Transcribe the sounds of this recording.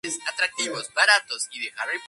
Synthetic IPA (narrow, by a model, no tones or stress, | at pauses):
esat̪ɾak̚t̪iβozbaɾat̪o̞siðexaɾe